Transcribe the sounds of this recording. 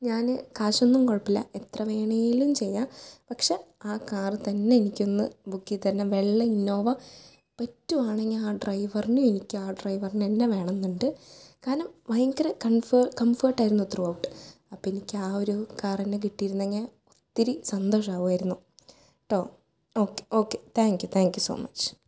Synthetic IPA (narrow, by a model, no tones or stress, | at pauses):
ɲaːnɨkaːɕonːumkoɻɐpːilɐ̰et̪rɐʋe̞ːɳɐjjilumt͡ɕe̞jːapɐkʂeaːkaːrɨt̪ɐnːe̞enikʲːo̞nːɨbukːit̪ɐnːeʋe̞ɭːɐinːo̞ːʋɐ | pɐtːumaːɳeŋːɐleaːɖrɐjʋɐrinuenikʲːɨaːɖrɐjʋɐrinenːeʋe̞ːɳɐnːuɳɖɨkaːɾnɐmʋɐjɐŋɡɐɾɐkɐnfkɐmfɐːʈːaːjiɾunːuot̪ːruɐwʈːɨ̥ | ɐpːoːenikʲːaːoɾukaːrenːek̬iʈːijɾunːɐeŋːɐle | ot̪ːiɾisɐnd̪o̞ːʂaːʋuʋaːjiɾunːu | ʈoː | oːkːeo̞ːkːet̪ʰaːŋkjut̪ʰaːŋkjuso̰ːmɐt͡ɕː